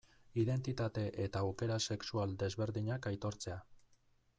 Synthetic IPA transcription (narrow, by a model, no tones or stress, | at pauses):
iðe̞nt̪it̪at̪e̞ʔet̪aːwke̞ɾase̞ksuald̪e̞zβe̞ɾðiɲakajt̪o̞ɾt͡se̞a